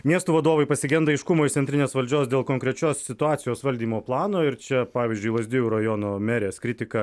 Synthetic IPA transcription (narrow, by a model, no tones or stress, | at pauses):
mʲiɛst̪uːʋɐd̪oːʋɐɪpɐsʲɪɡʲɛnd̪ɐɐɪʃkʊmoːɪt̪ʲɛnt̪ʲɾʲɪnʲeːsʋɐlʲd͡ʒʲoːsd̪ʲeːlˠkoŋkɾʲɛt͡ʃʲoːssʲɪt̪ʊɑːt̪sʲɪjoːsʋɐlʲd̪ʲiːmoːplˠɑːnoːɪɾt͡ʃʲɛpɑːʋʲiːzʲd͡ʒʲʊɪlˠɐzʲd̪ʲɪjʲuːɾɐjoːnoːmʲɛɾʲeːskɾʲɪt̪ʲɪkɐ